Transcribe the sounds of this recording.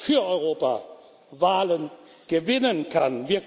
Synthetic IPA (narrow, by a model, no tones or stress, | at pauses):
fyːɐʔɔʏʁ̞oːpa̰ | vaːlən | ɡ̥əvɪnənkʰanvɪɐk